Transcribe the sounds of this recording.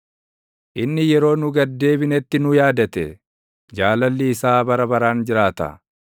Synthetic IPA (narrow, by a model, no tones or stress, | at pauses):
ʔɪnːɪjɛɾo̞ːnʊɡɐd̪ːe̞ːbɪnɛt̪ːɪnʊjaːd̪ɐt̪ɛ | d͡ʒaːlɐlːiːsaːbɐɾɐbɐɾaːnd͡ʒɪɾaːt̪ɐ̰